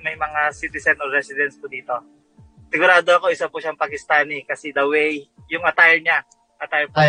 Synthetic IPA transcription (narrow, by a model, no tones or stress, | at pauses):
mɐjmɐŋasit̪ɪsɛnʔoɾɛsɪd̪ɛnspʊd̪iːt̪o̞ | sɪɡʊɾaːd̪oɐko̞ʔɪsapʊʃaɐŋpɐkɪst̪aːnɪkɐsid̪ɐwɛj | jʊŋɐt̪ajɹɲa | ʔɐt̪ajpa